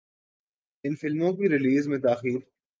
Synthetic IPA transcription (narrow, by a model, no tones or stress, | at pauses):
ɪnfɪlmõkiɾɪliːzmẽt̪aːxiːɾ